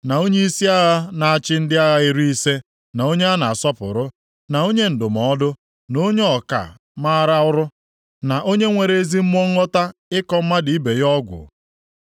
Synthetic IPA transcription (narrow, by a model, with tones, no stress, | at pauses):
na˨o˦ɲe˦i˦si˦a˦ɣa˦na˨a˨t͡ʃɪ˦n̩˦dɪ˦a˦ɣa˦ɪ˨ɾi˦se˦ | na˨o˦ɲe˦a˦na˨a˨sɔ˦pʊ̰˨ɾʊ˦ | na˨o˦ɲe˦n̩˨dʊ˨m˨ɔ˨˦dʊ˦ | no˦ɲe˦ɔ˨ka̰˨ | ma˦a˦ɾa˦ʊ˦ɾʊ˦ | na˨ʔo˦ɲe˦ŋʷe˨ɾe˨˦zi˦m̩˦m˦ɔ˦ŋɔ˦ta˦ɪ˦kɔ˦m̩˦ma˦di˨i˦be˨jɔ˦ɡʷʊ̰˨